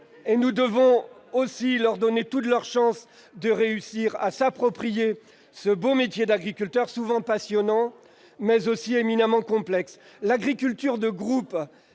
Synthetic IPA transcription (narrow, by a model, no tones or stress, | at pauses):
enud̪əvɔ̃osilœʁd̪ɔnet̪ut̪lœʁʃɑ̃s | d̪əʁeysiʁasapχɔpχije | səbomet̪jed̪aɡʁikʲylt̪œʁsuvɑ̃pasjɔnɑ̃ | mɛzosieminamɑ̃kɔ̃plɛks | laɡʁikʲylt̪yʁd̪əɡʁup